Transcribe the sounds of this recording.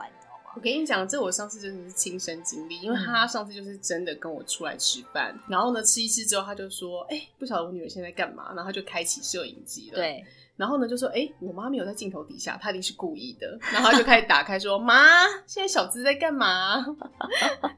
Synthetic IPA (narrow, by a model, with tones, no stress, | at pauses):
wɔ˨˩kʰe˧˥i˨˧˥t͡ɕjɑ˨˩ŋə˩ʈ͡ʂɤ˥˩ɡə˨˩wʂɑ˥˧ŋt͡ssʰɹ̩˥˧t͡ɕo˥˧˥ʂɻ̩˥˩t͡ɕʰi˦ŋʂə˦nt͡ɕi˦ŋli˥˨i˦nŋwe˥˩˧ɪt̪ʰa˦ʂɑ˥˧ŋsʰɹ̩˥˧t͡ɕjo˥˧ʊʂɻ̩˥˩ʈ͡ʂə˦nd̪ə˨kə˦nwɔ̰˨˩ʈ͡ʂʰu˥la̰˧˦ɪʈ͡ʂʰɻ̩˥pa̰˥˩nna˧˦nxo˥˩ʊnə˩ʈ͡ʂʰɻ̩˥i˧sʰɹ̩˥˩ʈ͡ʂɻ̩˥xo˥˩a˥t͡ɕjo˥˧ʊswɔ˦e˥˩ɪpu˥˩ɕjɑ˨˩d̪ə˧wny̰˨˩˨ɕjt͡sa˥˩ɪka˥˩nma̰˧˦na˨˩˥o˥˧t͡ɕo˥ʊkʰa˦ɪt͡ɕʰi˨˩ʂɻ̩˥˩jo˨˩ʊḭ˨˩ŋt͡ɕi˧˥lə˨˩ | na˧˥nxo˥˩ʊnə˩t͡ɕjo˥˧ʊʂwʔe˥˩ɪwɔ˨˩ma˦˥m˨˧˩jt͡sa˥˧t͡ɕi˥ŋt̪ʰo˧˦t̪ḭ˨˩ɕja̰˥˩t̪ʰa˥˧i˥˧˩ʂɻ̩˥˧ku˥˧i˥˩d̪ə̰˩na˩˦xo˥˧t͡ɕo˥˩kʰa˥i˨˩t̪a̰˨˩kʰa˥ɪʂ̬wɔ˦ma˥ɕjɛ˥˧na˥˩ɕjɑ˨˩ʊt͡sɹ̩˥˧t͡sa˥˧ɪka˥˩nma˩